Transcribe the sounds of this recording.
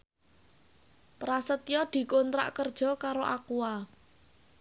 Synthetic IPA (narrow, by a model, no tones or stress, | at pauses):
pɾasət̪ijɔd̪̥i̤kont̪ɾa̰ʔkərd̥ʒ̥ɔ̤kaɾoʔakua